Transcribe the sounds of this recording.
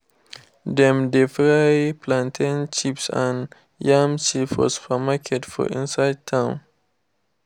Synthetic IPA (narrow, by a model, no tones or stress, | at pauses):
dɛ̃mdefɹajpʰlãntʰãnt͡ʃipsã̰n | jãmt͡ʃifɔ̰sfəmakʰɛtfɔ̰ḭ̃nsajd̚tʰãʊ̃n